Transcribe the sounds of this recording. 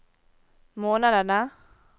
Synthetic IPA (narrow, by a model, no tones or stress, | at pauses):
monalana